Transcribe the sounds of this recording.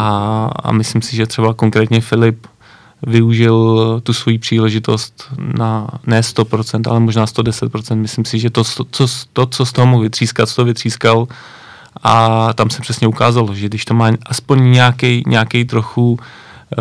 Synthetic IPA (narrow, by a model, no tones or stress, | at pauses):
ʔaa̰mɪslimsɪʒɛt̪r̥ɛbako̞ŋkɾɛːt̪ɲɛfɪlɪp | vɪuʒɪlt̪usvo̞jiːpr̥iːlɛʒɪt̪o̞st̪nanɛːst̪o̞pɾot͡sɛnt̪a̰lɛmoʒnaːst̪odɛsɛt̪̚pɾot͡sɛnt̪mɪslimsɪʒɛt̪ost͡sost̪ot͡sost̪oɦomoxvɪt̪r̥iːskat̪st̪ovɪt̪r̝̥iːskal | ʔat̪amsɛpr̥ɛsɲɛukaːzaloʒɛɡdɪʃt̪o̞maːʔaspoɲɲɛakɛjɲʔɛakɛjt̪ɾoxu